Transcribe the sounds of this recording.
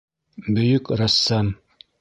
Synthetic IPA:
bɵ̆jɵkɾæsːɑm

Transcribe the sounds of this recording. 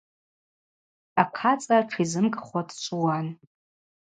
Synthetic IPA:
aqʰat͡sʼaʈ͡ʂʰizɨmkʼχʷadt͡ʃʷʼuwan

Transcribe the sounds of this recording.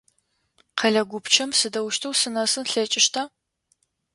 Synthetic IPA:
qʰɐɮɐɡʷʊpt͡ʃʰɐmsɨdɐwʃtʰɐwsɨnɐsɨnɬɐt͡ʃʼɪʃtʰɐ

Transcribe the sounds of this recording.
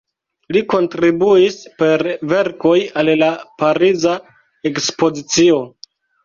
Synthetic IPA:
liko̞ntɾibuispe̞ɾve̞ɾko̞jallapaɾiza | ekspo̞zit͡sio̞

